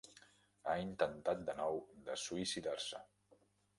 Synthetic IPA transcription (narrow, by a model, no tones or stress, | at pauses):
aint̪ənt̪at̪̚d̪ənɔwd̪əsuisiðarsə̰